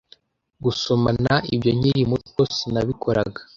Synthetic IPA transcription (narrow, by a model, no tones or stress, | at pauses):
ɡusomanaibɟo̞ɲiɾimutkosinaβikʰoɾaɡḁ